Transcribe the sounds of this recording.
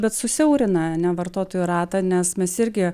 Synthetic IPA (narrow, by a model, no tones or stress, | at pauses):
bʲɛt̪sʊsʲɛʊɾʲɪnɐɐnʲɛʋɐrt̪oːt̪oːjuɾɑːt̪ɐnʲɛsmʲɛsɪɾʲɡʲɪ